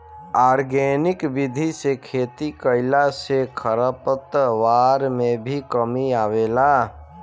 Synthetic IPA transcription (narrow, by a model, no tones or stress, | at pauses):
aːɾɡenɪkbid̪ʱisekʰet̪ikəɪlasekʰəɾəpət̪ʋaɾmebʱikəmiaʋela